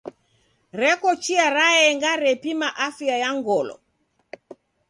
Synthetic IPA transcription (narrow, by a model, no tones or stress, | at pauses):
ɾɛkɔt͡ʃiaɾaɛŋɡaɾɛpimaʔafiajaŋɡɔlɔ̰